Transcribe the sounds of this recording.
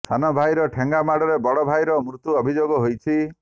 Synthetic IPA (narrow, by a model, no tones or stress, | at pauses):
st̪ʰanɔbʱajɾɔʈʰeŋɡamaɽɔɾebɔɽɔbʱajɾɔmɾut̪uɔbʱid͡ʒoɡɔɦojt͡ʃʰi